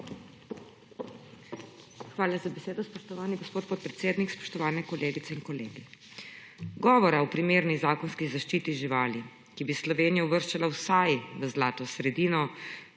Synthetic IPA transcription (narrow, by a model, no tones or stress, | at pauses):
xʋaːlazabɛseːd̪ɔspɔʃt̪ɔʋaːniɡoɔspoːt̪poːt̪̚pɾɛt̪seːd̪nikspɔ̥ʃt̪ɔʋaːnɛkɔleːɡit̪sɛinkɔleːɡi | ɡɔːʋɔɾaɔpɾimeːɾnizaːkɔnskizaʃt͡ʃiːt̪iʒiʋaːli | kibislɔʋeːnijauʋəɾʃt͡ʃalawsajʋəzlaːt̪ɔsɾɛd̪iːnɔ